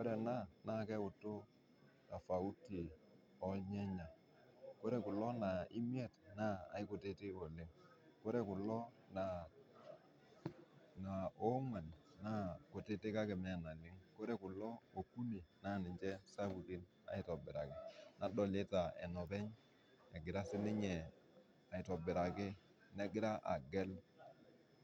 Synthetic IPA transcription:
ko˦ɾe˨na˦na˦˨kɛ˦ʊ˨tːo˦ | na˨fa˨u˦ti˨ | ɔ˦ɲɛ˦ɲa˨ | ko˦ɾe˨kʊ˨lɔ˦na˨ɪ˦mi˦e˦˨tna̰ː˦˨ɪ˦ko˨te˦te˦o˨lɪ˦ŋ | ko˦ɾe˨kʊ˨lːɔ˦ | na˨ | na˨o˦ŋwa˨n | na˦ko˨te˦te˦ka˦ke˨mɛ˦˨na˨lɪ˦ŋko˦ɾe˦kʊ˨lːɔ˦o˨kːu˦ni˨na˦˨nɪ˨ɲd͡ʒɛ˦sa˦bu˨ti˦n | a̰˨i˨˦tɔ˨bɪ˨ɾa˨kɪ˨nʔa˨dɔ˨le˦ta˨e˨nɔ˨pɛ˦ɲ | e˨ɡɪ˨ɾa˦sɪ˦nɪ˦ɲɛ˨ | a˨i˨tɔ˨bɪ˨ɾa˨ke˦ | ne˦ɡɪ˦ɾa˦ʔa̰˨ɡɛ˦l

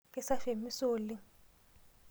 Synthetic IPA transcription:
k̬ʼɛ˦˨sa˦fe˨mi˦soːli˨

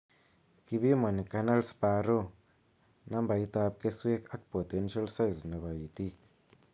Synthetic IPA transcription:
ki˧bi˦ma˨n˨ka˧na˦lspa˧ɾo˦ | na˦mba˨i˦t̪a˧p̚ke˦swe˦ka˦k̚po˨t̪e˦nʃa˦lsa˦jzna˨ba˨ji˨t̪i˦k

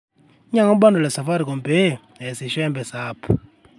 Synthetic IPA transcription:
ɲa˦ŋɔ˦ɓa˦ndɔ˨lɛ˨sa˨fa˦ɾi˨kɔ˨mbe˦˨ | ɦɛ˨si˨ʃɛ˦mbɛ˨saːpʰu˨

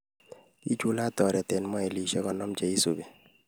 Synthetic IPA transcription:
i˦t͡ʃu˦la˦˨tɔ˨ɾɛ˨tɛ˨nmɔ˦ɛ˨li˨ʃɛ˦kɔ˨nɔ˦mt͡ʃɛ˨i˦so˨be˨

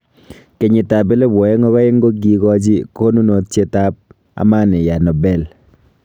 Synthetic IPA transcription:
ke˨ɲɪ˨ta˨be˦le˦bɔ˨e˦ŋɔ˦kɔ˦e˦ŋ˦ɡo˦ɡi˨kɔ˦d͡ʒi˦ko˦nu˦no˨t͡ʃje˦ta˦p̚ | a̰˨ma˦ne˨ja˨nɔ˨bɛ˨l

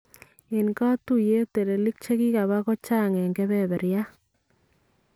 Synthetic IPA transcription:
e˨nka˦tu˦je˦te˨ɾe˨li˦k̚t͡ʃe˦ki˦ka˨βa˦kɔ˦t͡ʃa˦˨ŋɛ˨ŋɡɛ˦βɛ˦βɛ˨ɾja˦

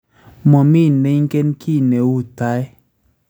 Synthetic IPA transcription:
mɔ˨mi˦˨ne˨˦ŋ˦kɛ˦nkʰi˦˨ne˨wu˦˨ta˦ɛ˦

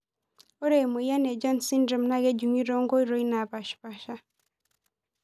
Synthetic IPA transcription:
o˦ɾe˨mu˨i˨ja˦ne˨d͡ʒa˦nsi˦nɾɔ˨mna˦ɣɛ˦ɟu˨ŋi˦ɾo˦ŋɡo˦i˦ɾo˦i˦na˨βa˨ʃpa˨ʃa˦

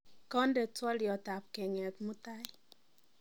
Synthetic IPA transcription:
kɔ˦ndɛ˨twɔ˦ljɔ˨ta˨p̚kɛ˨ŋɛ˨tmʊ˦ta˦ɪ˦

